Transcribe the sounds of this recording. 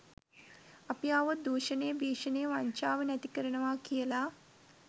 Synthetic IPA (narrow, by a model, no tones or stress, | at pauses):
ɐpjaːʋɐd̪uːʃɐneːbiːʂɐneːʋaːɲt͡ʃaːʋɐnɐt̪ikɐɾɐɳɐʋaːkijɐlaː